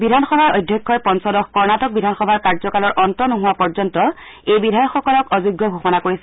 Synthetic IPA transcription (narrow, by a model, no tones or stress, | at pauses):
bidʱanxɔbʱaɹojdʱjɔkʰːɔjpɔnsɔdɔxkɔɹnatɔk̚bidʱanxɔbʱaɹkaɹzɔkalɔɹʔɔntɔnʊɦʊwapɔɹzɔntɔejbidʱajɔkxɔkɔlɔkɔzuɡjɔɡʱoxɔnakoɹisɛ